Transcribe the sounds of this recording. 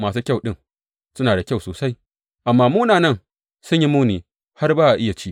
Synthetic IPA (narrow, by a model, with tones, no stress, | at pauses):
maː˨suː˦kʲa˦˨wɗɪ˦˨ŋ | sʊ˦naː˨da˨kʲa˦˨wsoː˨sa˦j | ʔa˨mːaː˦muː˦naː˨nɐ˦˨n | sʊ˦ɲji˦muː˦niː˨ | ha˦rbaː˦ʔa˨ʔɪ˦ja˨t͡ʃi˦ʔ